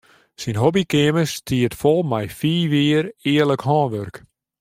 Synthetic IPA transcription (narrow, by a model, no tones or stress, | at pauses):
sinɦɔbikɪəməstʰiətfɔlˠmɛjfiːʋiəɾɪərləkhɔːnʋørk